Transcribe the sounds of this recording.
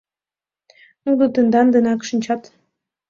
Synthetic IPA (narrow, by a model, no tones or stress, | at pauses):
nud̪ɤ̆t̪ənd̪ɑnd̪ənɑkʃinʲt͡ɕɑt̪